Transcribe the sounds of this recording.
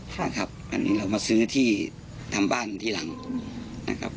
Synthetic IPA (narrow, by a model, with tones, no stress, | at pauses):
a̰˧kʰa˦˥p̚ʔa̰˧nːʔḭː˦˥ɾa˧wmaː˧sɯː˦˥t̪ʰiː˥˩ | t̪ʰa˧mbaː˥˩nt̪ʰiː˥˩la˨˩˦ŋna̰˧kʰa̰˦˥p̚